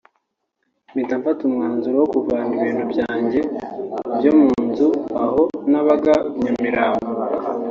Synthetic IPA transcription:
mitaɱfatumŋaːnzuɾowokuvaːniβiːnhubɟaːɲɟe̞bjomuːnzuaho̞naβaɡaɲamiɾaːmo

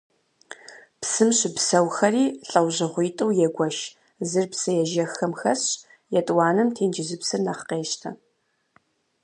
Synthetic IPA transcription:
psɨmɕɪbsɐwxɐriːɬʼɐwʑɪʁʷiːtʼɨwjɛɡʷɐʃ | zɨrpsɐjɛʒɐxɐmxɐɕ | jɛtʼwɑːnɨmtʰeːnd͡ʒɪzɨpsɨrnɐχqeːʃtʰɐ

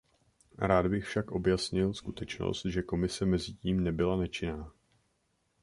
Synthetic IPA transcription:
ɾaːd̪bɪxfʃakʔo̞bjasɲɪlskut̪ɛt͡ʃno̰st̪ʒɛko̞mɪsɛmɛzɪciːmnɛbɪlanɛt͡ʃɪnaː

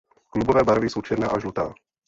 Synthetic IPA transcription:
klubovɛːbaɾvisowt͡ʃɛɾnɛːʔaʒlut̪a̰ː

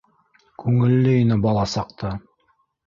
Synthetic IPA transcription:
kʉŋɘ̆lːɘinɘbɑlˠɑsɑq̚t̪ɑ

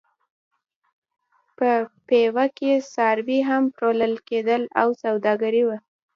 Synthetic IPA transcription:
pəpewakesɑɾbiɦampɾoləlked̪əla̰wsawd̪ɑɡaɾiwa

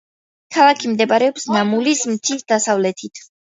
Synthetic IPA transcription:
kʰalˠakʰimd̪ɛbaɾɛɔpsnamulismt̪sʰisd̪asavlɛt̪ʰit̪ʰ

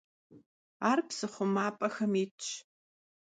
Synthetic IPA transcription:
aːrpsɨχʷʊmaːpʼɐxɐmiːt͡ʃ

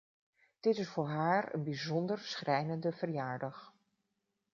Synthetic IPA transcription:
d̥ɪtɪsfʊːɹɦaːɹə̰nbizɔndəɹsχrʔɛjnəndəvəɹjaːɹdɑχ

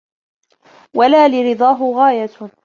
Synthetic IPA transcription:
walaːlɪɾɨd̪ˤɑːɦʊɣaːja

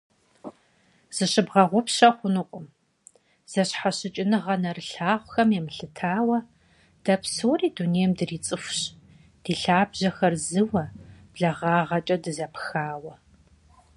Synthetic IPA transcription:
z̥ɨɕɨbʁɐʁʷʊpɕɐχʷʊnɨqʷʼʊm | z̥ɐɕħaɕɪt͡ʃʼɪnɨʁɐnɐrɨɬaːʁʷʊxɐmjɛmɨɬɨtʰaːwɐ | d̥ɐpʰsoːriːduneːjmdɨriːt͡sʼɨfʷɕ | d̥iːɬaːbʑɐxɐrzɨwɐb̥ɮɐʁɑːʁɐt͡ʃʼɐdɨzɐpxaːwɐ

